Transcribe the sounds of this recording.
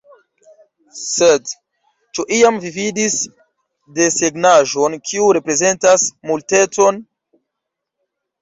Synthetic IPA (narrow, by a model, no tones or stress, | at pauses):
sed | t͡ʃuʔiamvividis | de̞seɡnaʒo̞nkʰiuɾe̞pɾe̞ze̞ntasmulte̞t͡so̞n